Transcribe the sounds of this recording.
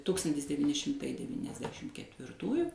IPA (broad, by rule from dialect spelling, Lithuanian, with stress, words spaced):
ˈtʊkstɐnʲtʲɪs dʲɛʋʲiːˈnʲɪ ʃʲɪmˈtɐɪ dʲɛʋʲiːnʲɛzʲˈdʲæːʃʲɪm kʲɛtʲʋʲɪrˈtuːjʊ